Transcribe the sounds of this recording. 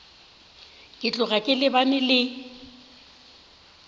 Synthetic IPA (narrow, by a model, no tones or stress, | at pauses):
kʼɪt͡ɬʼʊɣakʼɪlɪbanɪlɪ